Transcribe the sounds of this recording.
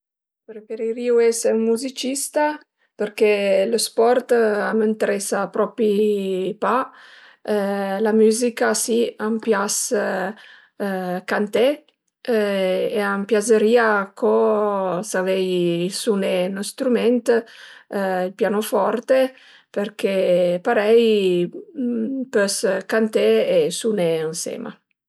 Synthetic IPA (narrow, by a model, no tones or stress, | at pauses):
pɾefeɾiɾiuɛseunmuzit͡ʃist̪a | pəɾkeləspɔrt̪amənt̪eɾɛsapɾɔpipa | lamyːzikasiampjas | kant̪ɛ | eampjazəɾiːakʰo | savɛjsunenost̪ɾumɛnt̪ | ilpjanofɔɾt̪e | peɾkepaɾɛj | pøskant̪eesuneənsɛ̰ːma̰